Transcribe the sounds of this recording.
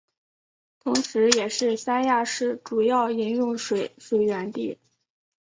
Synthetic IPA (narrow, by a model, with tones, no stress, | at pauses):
t̪ʰʊ˧˥ŋʂɻ̩˧˥jɛ˨˩ʂɻ̩˥˩sa˥nja˥˧ʂɻ̩˥˩ʈ͡ʂu˨˩jɑ˥˩ʊi˧˥njʊ˥˩ŋʂwe˨˧˩ɪʂwe˨˩ɪɥɛ˧˥nt̪ḭ˥˩